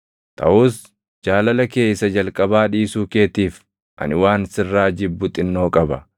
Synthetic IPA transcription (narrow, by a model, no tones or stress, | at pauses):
t̪ʰɐ̰ʔuːs | d͡ʒaːlɐlɐke̞ːjsɐd͡ʒɐlkʼɐbaːᶑiːsuːke̞ːt̪iːf | ʔɐ̰nɪwaːnsɪrːaːd͡ʒɪbːʊt̪ʼɪnːo̞ːkʼɐbɐ